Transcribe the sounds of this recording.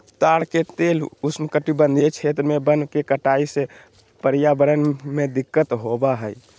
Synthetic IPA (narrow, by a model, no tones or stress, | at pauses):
t̪aɽket̪elusmkəʈibənd̪ʱit͡ʃʰet̪ɾəmebənkekəʈaise | pəɾjabəɾənmed̪ikːət̪ɦobaɦəj